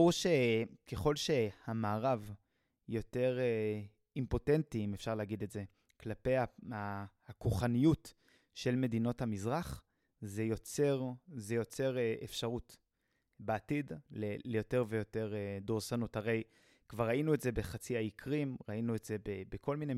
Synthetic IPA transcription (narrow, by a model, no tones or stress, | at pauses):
uʃeke̞χo̞lʃe̞hamaːʁav | jo̞te̞ʁe | impo̞tentiimefʃaʁleaɡidetze | klape̞jaahakuχanijut | ʃe̞lme̞dino̞thamizʁaχ | zejot͡seʁzejo̞t͡se̞ʁefʃaʁut | beatidlelejo̞te̞ʁvejo̞te̞ʁdoʁsanuthaʁe̞j | kvaʁːainuetze̞be̞χat͡siaikʰʁimʁainuetzebebekʰo̞lmine